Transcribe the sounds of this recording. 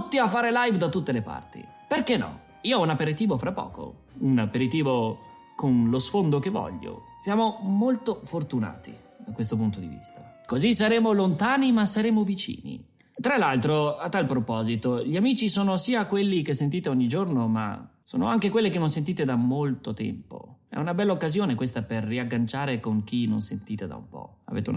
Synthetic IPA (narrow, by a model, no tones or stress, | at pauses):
t̪ːiafːaːɾelajvd̪at̪ːut̪ːelepa̰rt̪ḭ | perkenːɔ̰ | iːoɔunapːeɾit̪iːvofɾapːɔ̰ːko̰ | unapeɾit̪iːvo | konlosfond̪okevːɔ̰ʎːo̰ | sjaːmomolt̪ofort̪una̰ːt̪ḭ | d̪akwes̬t̪opunt̪od̪ivḭst̪a | kozis̬aɾeːmolont̪aːnimasaɾeːmovit͡ʃḭːnḭ | t̪ɾalalt̪ɾoat̪ːalpɾopɔːzit̪oʎiamiːt͡ʃisoːnosiːakwelːik̟esːent̪̬iːt̪eɔɲːid͡ʒornoma̰so̰ːno̰aŋkekwelːek̬enːonsent̪̬iːt̪ed̪amolt̪ot̪ɛ̰mpo̰ɛ̰unabɛlːaokːazjoːnekwest̪aperːiaɡːant͡ʃaːɾekoŋk̟inːo̰nsḛnt̪iːt̪ed̪a̰ṵmpɔ̰a̰vḛt̪eṵn